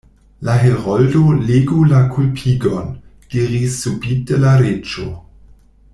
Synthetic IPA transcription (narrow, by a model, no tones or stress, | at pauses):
laɦelʁɔldoleːɡulakʰulpʰiːɡɔnɡ̥iʁisːubiːt̚d̥əlaɾet͡ʃo̰